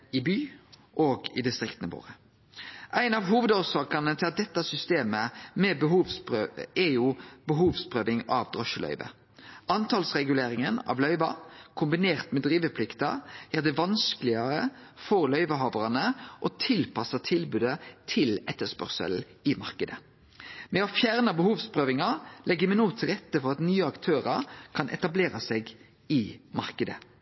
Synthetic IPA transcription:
ɪbyːʔoːɡɪ̰d̪ɪst̪ʁɪkt̪nəbo̰ːʁə | ʔæɪnɑʋɦuːʋəd̪oːsɑːkɑnət̪ʰɑd̪ɛt̪ːɑsʏst̪eːməmɛbəɦuːʋspøɛjubəɦuːʋspʁøːʋɪŋɑʋd̪ʁɔʃəlœ̰ʏʋə̰ | ʔɑnt̪ʰɑːlsʁɛɡʉleːɾɪŋənɑ̰ʋlœʏʋɑkʰʊmbɪneːʁt̪mɛd̪ʁiːʋəpʰlɪkt̪ɑ̰hæːʁd̪ɛʋɑnskəlɪɑɾəfɔʁlœʏʋəɦɑːʋɑʁɑnəʔɔt̪ʰɪlpʰɑsət̪ʰɪlbʉːd̪ət̪ʰɪlɛt̪ːəspœ̰ʁsə̰l̩ | ɪmɑʁkəd̪ə | mɛɔfjæʁnəbəhuːʋspʰʁøːʋɪŋɑlʔɛɡəmɛnoːt̪ʰɪlʁɛt̪ːəfɔʁɑt̪nyːəɑkt̪ʰøːɾəɾkʰɑnʔɛ̰t̪ɑbleːʁɑseːɡ | ɪmɑʁkəd̪ə

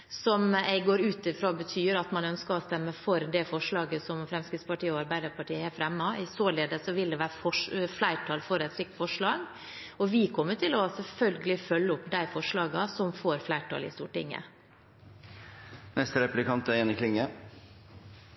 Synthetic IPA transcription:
sɔmɛɪɡoːɾʉːt̪ɪfɾoːbət̪ʰyːɾɑt̪mɑnœnskəɔst̪ɛmːəfɔɾd̪ɛfɔʂɭɑːɡəsɔmfɾɛmskɾɪt̪spɑʈiːəɔɑɾbæɪd̪əɾpʰɑʈʰiːəæfɾɛmːɑɪsoːleːd̪əsɔʋɪld̪ɛʋæːɾəfɔʂflæɪʈʰɑːlfɔɾɛt̪sɾɪk̚t̪fɔʂɭɑːɡ | ɔʋɪkʰɔmːəʈʰɪlɔsɛlfœlɡəlɪfœlːəʊpːd̪æɪfɔʂɭɑːɡɑsɔmfoːɾflæɪʈʰɑ̰lɪ̰st̪ṵːʈɪ̰ŋːə̰ | nɛst̪əɾɛplɪkɑnt̪əjɛnɪkʰlɪŋə

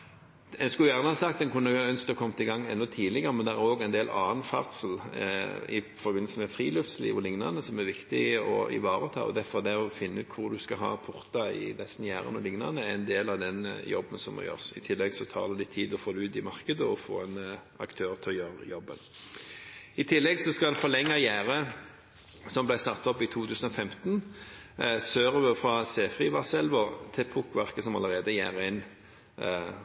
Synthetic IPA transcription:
ɛnskʉjæʁnəhɑsɑk̚t̪ɛnkʰʉnːəɑœnskt̪ɑkʰɔmt̪ɪɡɑŋːɛnːɔt̪ʰiːlɪɡəʁəmɛnd̪ɛʁæɾoːɡɛɪnd̪eːlʔɑːənfɑ̰ʁt̪səl̩ | ɪ̰fɔɾbɪnːəlsəmɛfʁiːløft̪slḭːʋɔlɪŋnɑʁnəsɔmæʁʋɪkt̪ɪɔ̰ɪ̰ʋɑːʁət̪ʰɑ̰ːɔ̰d̪æfɔd̪ɛɔfɪnːəʉːt̪̚kʰʊʁd̪ʉskɑɦɑ̰ːpʰʊʁt̪ɑɪ̰lɛsnjæːʁə̰nɔlɪŋnɑʁnəæɛnd̪eːlɑʋd̪ɛnjɔ̰bːənsɔm̰jø̰ːʁsɪt̪ʰɪlːɛɡsɔt̪ʰɑ̰ːʁd̪ɛlɪt̪ʰiːd̪ɔfoːd̪ɛʉːt̪ɪmɑʁkəd̪əɔfo̰ːɛn | ɑ̰kt̪ʰøːʁt̪ʰɪɔjøːʁəjɔbːən | ɪt̪ʰɪlːɛɡsɔskɑd̪ɛfɔlɛŋːɑjæːʁə | sɔmblæɪsɑt̪ːɔpːɪt̪ʰuːt̪ʰʉːsən̩ɔfɛmt̪n | søːʁəʋəfɾɑseːfʁiʋɑsɛlʋɔt̪ʰɪpʰʊkʋæʁkəsɔmɑ̰ləʁeːd̪əjæ̰ːʁəɪn

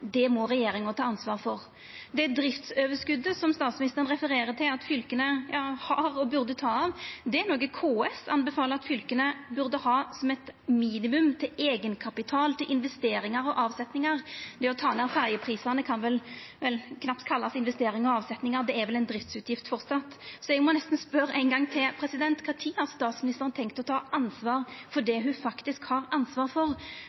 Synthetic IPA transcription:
d̪ɛmɔɾɛjeːɾɪŋət̪ɑːɑnsʋɑːʁfɔʁ | d̪ɛd̪ɾɪft̪søːʋəskʉd̪ːəsɔmst̪ɑːt̪smɪnɪst̪əʁənʁɛfəɾeːɾət̪ʰɪlɑt̪fʏlkənəjɑːhɑɾɔbʉʁd̪ət̪ʰɑːɑʋd̪ɛænoːɡəkʰoːɛsɑnbɛfɑːləɾɑt̪fʏlkənəbʉʁd̪əhɑːsɔmɛt̪miːnɪmʉmt̪ʰɪleːɡənkʰɑpɪt̪ʰɑːlt̪ʰɪlʔɪnʋɛst̪eːɾɪŋɑɾɔʔɑːʋsɛt̪nɪŋɑʁd̪ɛɔt̪ʰɑːnæːʁfæʁjəpʰɾiːsəʁnəkʰɑnʋɛlʋɛlkʰnɑpt̪kʰɑlːɑsɪnʋɛst̪eːɾɪŋɔɑːʋsɛt̪nɪŋɑʁd̪ɛæɾʋɛlɛɪnd̪ɾɪft̪sʉːt̪ʰjɪft̪fɔʁt̪sɑt̪ːsɔɛɡmɔnɛst̪n̩spœɾæɪnɡɑŋːt̪ʰɪlpʰɾɛsɪd̪ɛnt̪kʰɑːt̪ʰiːhɑʁst̪ɑːt̪smɪnɪst̪əɾənt̪ʰɛŋkt̪ɔt̪ʰɑːʔɑnsʋɑːɾfɔʁɖ̪ɛɦʉfɑkt̪ɪskhɑːʁɑnsʋɑːʁfɔʁ

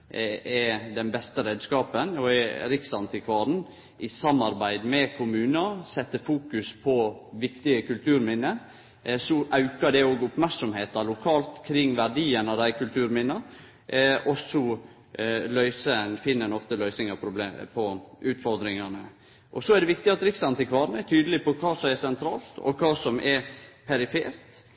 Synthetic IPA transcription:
ɛd̪ɛnbɛst̪əɾeːd̪skɑːpənɔɛɾɪksɑnt̪ʰɪkʰʋɑːɾn̩ | ʔɪsɑmːɑɾbæɪd̪mɛkʰʊmʉːnəsɛt̪ːəfuːkʉspʰɔʋɪkt̪ɪəkʉlt̪ʰʉːɾmɪnːə | sɔʔɑʉkɑɖ̪ɛoːɡʊpmæɾksɔmheːt̪ɑlʊkʰɑːlt̪kʰɾɪŋːʋæɖiːənɑd̪æɪkʉlt̪ʰʉːɾmɪnːə | ʔɔsɔ | lœʏsəɛnfɪnːəɛnɔft̪əlœʏsnɪŋɑpʰɾʊb̪epʰɔʉːt̪fɔɾd̪ɾɪŋɑnə | ʔɔsɔæɖ̪ɛʋɪkt̪ɪɑt̪ɾɪksɑnt̪ʰɪkʰʋɑːɾnɛt̪ʰyːd̪əlɪpɔkʰɑːsɔmɛsɛnt̪ʰɾɑ̰ːlt̪ʰɔ̰kʰɑːsɔmʔɛɾpʰɛɾɪfḛːɾt̪

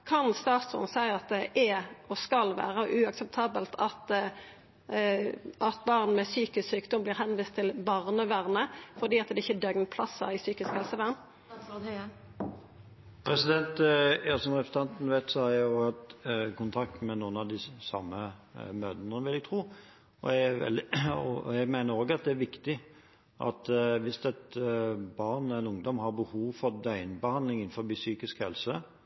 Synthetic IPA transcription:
kʰɑnst̪ɑːt̪sɔ̰nsæɪɑt̪̚d̪ɛʔɛɔskɑlʋæ̰ːʁəʔʉɑksɛp̚t̪ʰɑːbəlt̪ʰɑt̪ | ʔɑt̪bɑːʁn̩mɛsyːkɪssyːkd̪ɔmbliːʁɦɛnʋiːst̪ʰːɪlbɑʁnəʋæʁnəfɔʁd̪iːɑt̪̚d̪ɛɪçːəd̪œɡnpʰlɑsːɑ̰ɪsyːkɪskhɛlsəʋæːʁn | pʰʁɛsɪd̪ɛnt̪jɑːsɔmʁɛpʰɾs̩t̪ɑnt̪n̩ʋæt̪sɔhɑɾjæjʊoːɡhɑt̪kʊnt̪ʰɑkt̪mɛnuːnɑʋd̪ɪsɑ̰mːəmøːd̪nəʋɪlːɛt̪ʰɾuː | ɔ̰jææɛ̰lɔ̰jæɡmæɪnəɾoːɡɑt̪̚d̪ɛæɾʋɪkt̪ɪ | ʔɑ̰t̪ʋɪst̪ɛt̪bɑʁnɛɪnʊŋd̪ɔmɦɑɾbəhuːʋfɔɾd̪œʏnbəhɑnd̪lɪŋɪnfɔɾbisyːkɪskhɛ̰lsə

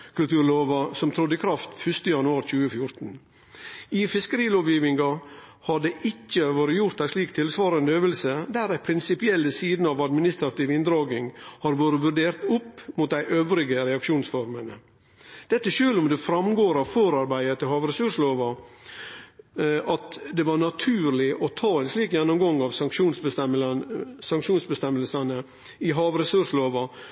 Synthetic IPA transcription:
kʉlt̪ʉːɾloːʋɑsɔmt̪ʰɾʊd̪ːəkʰɾɑft̪fʉʂt̪əjɑnʉɑːɾt͡ʃʉːəfjʊɾt̪n̩ | ɪfɪskəɾiːloːʋjiːʋɪŋɡɑhɑɖɛʔɪcːəʋoːɾəjʊɾt̪æɪʂliːkt̪ʰɪlsʋɑːɾənd̪əøːʋəlsəd̪æɾæɪpʰɾɪnsɪpɪɛlːəsiːd̪nəɑʋɑd̪mɪnɪst̪ɾɑt̪iːʋɪnd̪ɾɑːɡɪŋhɑɾʋoːɾəʋʉɾɖeːɾt̪ʊpːmʊt̪̚d̪æɪʔøːʋɾɪɡəɾɛɑkʂuːnsfɔɾmənə | d̪̥ɛt̪ːəʂøːlʊmd̪ɛfɾɑmɡoːɾɑʋfoːɾɑɾbæɪət̪ːɪlɦɑːʋɾɛsʉʂloːʋɑ | ʔɑt̪d̪ɛʋɑɾɳɑt̪ʰʉːɾlɪʔɔt̪ʰɑːɛnsliːkjɛnːʊmɡɑŋːɑʋsɑŋʂuːnsbə | sɑŋkʂuːnsbəst̪ɛmːəlsənə | ɪɦɑːʋɾɛsʉʂloːʋɑ

